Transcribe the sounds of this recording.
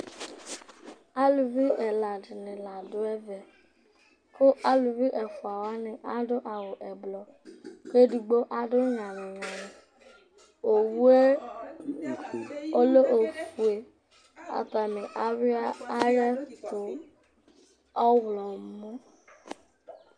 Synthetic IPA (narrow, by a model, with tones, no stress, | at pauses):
a˦lu˨vi˦ɛ˨la˨dnĩ˨la˨do˨˦ɛ˦vɛ˨ | ko˦ʔa˦lu˨vi˦ʔɛ˨fu˨a˨wa˨˦nĩ˧˦ʔa˦do˦ʔa˨wo˨ʔɛ˨ɡ͡blɔ˨ | ke˦du˧ɡ͡bo˦ʔa˦do˦ɲã˨nĩ˨jã˨nĩ˨ | o˨wu˦e˦ | o˦lo˦ʔo˨fu˨e˨ | a̰˨ta˨mĩ˨ʔa˨ɾi˦a˦ɾɛ˦ko˨˦ | ɔ˦wlɔ̃˨˦mũ˦